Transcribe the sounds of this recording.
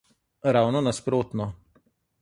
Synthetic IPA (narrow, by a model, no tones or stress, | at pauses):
ɾaːwnɔnaspɾoːt̪nɔ